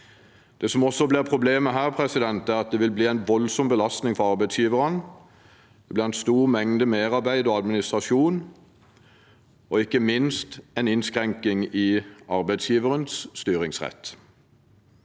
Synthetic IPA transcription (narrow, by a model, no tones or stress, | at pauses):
d̪̥ɛːsɔmɔsɔbliːʁpʰʁʊbleːməɦæːʁpʰʁɛsɪd̪ɛnt̪æʁɑt̪̚d̪ɛːʋɪlbliːæɪnʋɔlsɔmbəlɑst̪nɪŋfɔʁɑʁbæɪt̪sjiːʋəʁən | dd̪̥ɛbliːʁɛnst̪uːʁmɛŋd̪əmeːʁɑʁbæɪd̪ɔːɑd̪mɪnɪst̪ʁɑʃuːn | ɔɪkːəmɪnst̪ɛɪnɪnskʁɛŋkɪŋiːɑʁbæɪsjiːʋəʁənsːt̪yːʁɪŋsʁɛ̰t̪ː